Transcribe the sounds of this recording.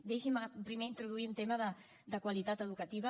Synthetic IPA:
d̪eʃimpɾimeint̪ɾuð̞uiunt̪eməðə | d̪əkwəlit̪at̪əðukət̪iβə

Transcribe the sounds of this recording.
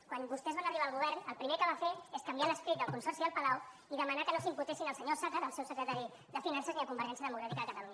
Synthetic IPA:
kwanbust̪ɛzβanəriβ̞alˠɣ̞uβ̞ɛɾnəlˠpɾimekəβ̞afeeskambialəspɾit̪̚d̪əlkunsɔɾsiðəlˠpəlaw | iðəmanakənosimput̪esinəlsəɲosakaðəlˠsɛwsəkɾət̪aɾi | d̪əfinansəzniðəkumbəɾʒɛnsjəðəmukɾat̪ikəðəkət̪əluɲa

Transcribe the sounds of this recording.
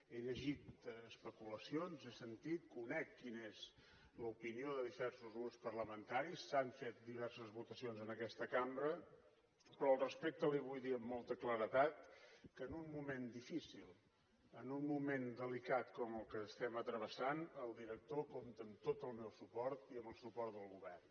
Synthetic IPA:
eʎəʒit̪əspəkuləsionzesənt̪it̪̚kunɛkːinez | ləupinioðəðiβɛrsuzɣɾupspərləmənt̪aɾisːaɱfet̪̚d̪iβ̞ɛrsəzβut̪əsionzənəkɛst̪əkambɾə | pɾɔəlˠrəspek̚t̪əliβ̞ujðiəmːɔlˠt̪əkləɾət̪at̪kənunmumend̪ifisilˠ | ənunmumend̪əlikat̪kɔməlˠkəːst̪ɛmət̪ɾəβ̞əsanəlˠd̪iɾək̚t̪okomt̪əːmt̪ot̪əlˠmɛwsupɔɾt̪iəmbəlˠsupɔrt̪d̪əlˠɣuβɛrn

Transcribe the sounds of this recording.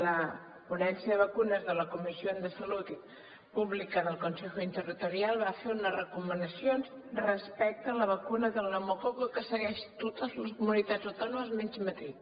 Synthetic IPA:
lə | punɛnsiəðəβəkunəzðələkumisioənt̪əsəlut̪i | puβlikənəlˠkunsexuint̪ərit̪uɾialˠβafeunərəkumənəsijonzrəspɛk̚t̪əːləβ̞əkunəðəlˠnomokoɣəkəsəɣɛʃt̪ot̪əzləskumunit̪ad͡zəwt̪ɔnuməzmɛnzmət̪i

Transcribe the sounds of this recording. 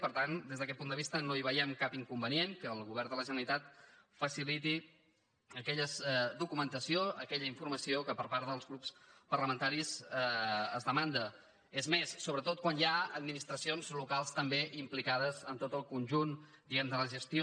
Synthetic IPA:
pəɾt̪and̪ezðəkɛt̪̚pund̪əβist̪ənoiβəjɛmkapiŋkumbənijenkəːlˠɣuβɛɾnd̪ələʒənəɾit̪at̪̚fəsilit̪i | əkɛʎəzd̪ukumənt̪əsioəkɛʎəiɱfuɾməsiokəpəɾpaɾðəlˠzɣɾupspəɾləmənt̪aɾizəːzðəmand̪ə | ezmessoβɾət̪ot̪̚kwanjaəd̪minist̪ɾəsionzlukalˠst̪əmbeʔimplikað̞əzənt̪ot̪əlˠkunʲʒun | d̪iɛmnd̪ələʒəst̪io

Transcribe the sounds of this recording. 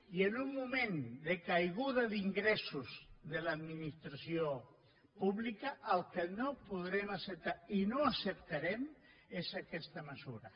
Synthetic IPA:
ienumːumẽnd̪ekajɣ̞uðaðiŋɡɾɛsuzðəlaðminist̪ɾasio | puβlikɐʔːlˠkənopuðɾɛmasəp̚t̪ainoasəp̚t̪aɾɛm | esakɛst̪aməsuɾɐ

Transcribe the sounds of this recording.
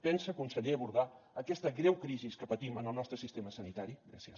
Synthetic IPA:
pɛnsəkunsəʎeβuɾðaəkɛst̪əɣɾɛwkɾiziskəpət̪imənəlˠnɔst̪ɾəsist̪eməsənit̪aɾiɣɾa̰siə

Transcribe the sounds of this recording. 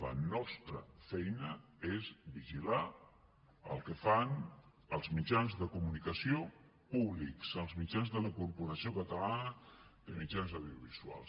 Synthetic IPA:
lə̰nɔst̪ɾə̰fɛjnə | ezβiʒila | ə̰lˠkəfan | əlˠzmid͡ʒanzðəkumunikəsio | puβliksəlˠzmid͡ʒanzðələkuɾpuɾəsiokət̪əlanəd̪əmid͡ʒanzawðiuβizua̰lˠs

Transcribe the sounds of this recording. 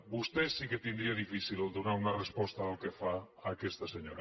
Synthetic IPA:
bust̪esːiket̪ind̪ɾiaðifisilold̪unaɾunarespɔst̪aːlkefa | akɛst̪aseɲoɾa

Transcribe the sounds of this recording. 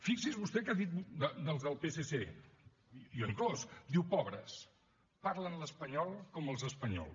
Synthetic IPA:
fiksizβust̪ɛkaðit̪̚bud̪əd̪əlˠzðəlˠpesese | jɔiŋklɔsd̪iwpɔβɾəs | paɾlənləspəɲɔlˠkɔməlˠzəspəɲɔ̰lˠ

